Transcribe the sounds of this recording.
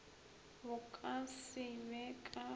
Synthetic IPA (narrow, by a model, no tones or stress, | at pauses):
bʊkʼasɪmɛkʼa